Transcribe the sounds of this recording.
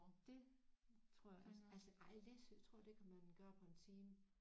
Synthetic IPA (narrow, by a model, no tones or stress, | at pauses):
d̥e̝t͡sʰʁoɐ̰jaɒsælsəʔɑ̈ɪlest͡sʰʁo̝ɐ̰d̥ekʰæmænɡ̥ɶːɐpʰɒ̽e̝nt͡sʰiːm